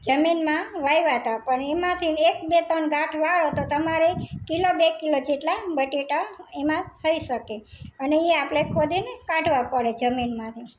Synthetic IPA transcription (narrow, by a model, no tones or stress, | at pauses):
d͡ʒəminmãʋajʋat̪apəɳemãt̪ʰinekbet̪ənɡʱãʈʰʋaɭot̪ot̪əmaɾekilobekilod͡ʒeʈlabəʈeʈaemãt̪ʰəiʃəkeəneeapɽekʰod̪inekãʈʋapəɭed͡ʒəminmãt̪ʰi